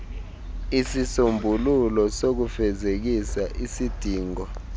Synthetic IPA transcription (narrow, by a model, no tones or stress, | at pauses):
isisombʱululɔsok̬ufɛzek̬isaʔisid̥ʱiːŋɔ